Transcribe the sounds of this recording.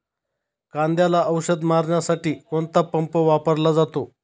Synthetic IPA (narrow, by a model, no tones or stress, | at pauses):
kãnd̪jalaʔəwɕəd̪maɾɳjasaʈiːkoɳt̪apəmpəʋapəɾlad͡zat̪o